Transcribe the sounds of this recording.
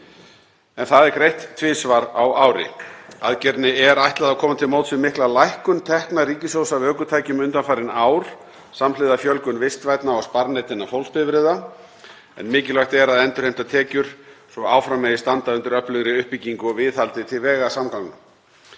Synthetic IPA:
ɛnθaðɛɾkɾejht̪ʰːvɪːsvaɾa̰waːwɾɪ̰aðcɛɾt̪nɪɛɾajht̪laðakʰɔːmat̪ʰɪlmowt̪sɪmɪhklalajhkʏnt̪ʰɛhknaɾiːcɪsowsavœːkʏt̪ʰaːjcʏmʏnt̪anfajɾɪnaːwɾ̥ | samlɪðafjœlkʏnvɪst̪vajt̪naɔɣspaɾnejt̪ɪnːafowlspɪvɾɪða | ɛ̰nmɪːcɪlvajxt̪ɛɾaðɛnt̪ʏɾ̥ejm̥t̪at̪ʰɛːcʏɾ̥sɔaːwfɾamːɛðɪst̪ant̪aʏnt̪ʏɾœhplʏɣɾɪʏhpiciŋkʏɔvɪðalt̪ɪt̪ʰɪlvɛːɣasamkaŋknʏm

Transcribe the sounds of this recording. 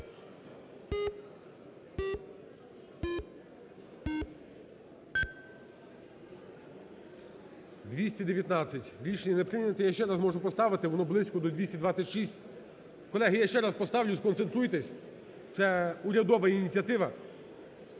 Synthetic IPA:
d̪ʋʲisʲtʲid̪eʋjɐt̪nɑt͡sʲsʲɐtʲɾʲiʃenʲinepɾɪnʲɐt̪ɛjaʃt͡ʃɛɾɑzmɔʒʊpɔst̪ɑʋɪt̪ɪʋɔnɔblˠɪsʲkɔd̪ɔd̪ʲʋʲisʲtʲid̪ʋɑt͡sʲɐtʲʃisʲtʲ | kɔlˠɛɦɪjaʃt͡ʃɛɾɑspɔst̪ɑʋlʲʊskɔnse̞nt̪ɾujt̪esʲ | t̪sɛuɾʲɐd̪ɔʋɐinʲit͡sʲiɐt̪ɪʋɐ

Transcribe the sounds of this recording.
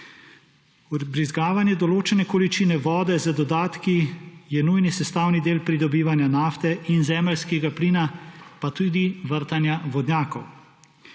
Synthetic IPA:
ubɾizɡaːʋanjɛd̪ɔloːt͡ʃɛnɛkɔlit͡ʃiːnɛʋɔːd̪ɛzad̪ɔd̪aːt̪kijɛnujnisɛst̪aːwnid̪eːlpɾid̪ɔbiːʋanjanaːft̪ɛʔinzɛːmɛlskɛɡapliːnapat̪uːd̪iʋəɾt̪anjaʋɔd̪njaːkɔw

